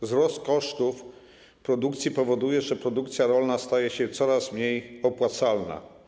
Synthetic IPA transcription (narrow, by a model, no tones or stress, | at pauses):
zɾɔst̪kɔʂt̪uf | pɾɔd̪ukt̪sʲipɔvɔd̪ujɛʐɛpɾɔd̪ukt̪sʲjaɾɔlnast̪ajɛɕɛt̪sɔɾasmɲejɔpwat̪salna̰